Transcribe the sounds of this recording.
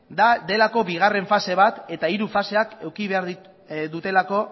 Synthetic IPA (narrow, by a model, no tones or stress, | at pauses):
d̪ad̪e̞lako̞βiɣ̞are̞ɱfase̞β̞at̪e̞t̪aiɾufase̞ake̞wkiβe̞aɾð | d̪ut̪e̞lako̞